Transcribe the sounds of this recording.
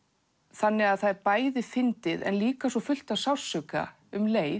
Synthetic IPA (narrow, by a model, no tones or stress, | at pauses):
θanːɪɣaðθaðɾpaːjðɪfɪnt̪ɪðɛ̰nliːkasɔfʏl̥t̪aðsawsœka̰ | ʏmleːj